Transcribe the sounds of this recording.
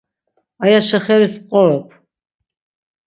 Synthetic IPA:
ajaʃɛχɛɾisp̚qʼɔɾɔpʰ

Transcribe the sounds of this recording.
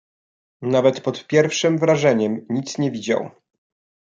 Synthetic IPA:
navɛt̪pɔt̪pʲjɛɾfʂɘmvɾaʐɛɲɛmɲit̪sɲɛvʲid͡ʑa̰w

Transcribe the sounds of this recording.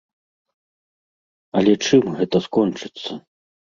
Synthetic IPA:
ɐlʲɛt͡ʂɨmɣɛt̪ɐskɔnt͡ʂɨt̪sːɐ

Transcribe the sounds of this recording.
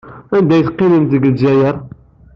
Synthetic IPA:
ænd̪æjθqːiməmt̪əɡəlzæjəɾˤ

